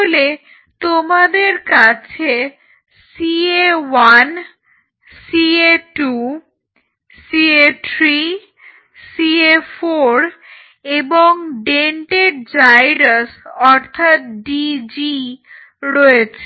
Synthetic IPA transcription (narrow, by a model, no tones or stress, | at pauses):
ole | t̪omad̪eɾkat͡ɕʰe | siewan | sieʈu | sieʈɾi | siefoɾ | eboŋɖeɳʈeɾd͡ʑajɾasɔɾt̪ʰat̪̚ɖid͡ʑi | ɾɔet͡ɕʰe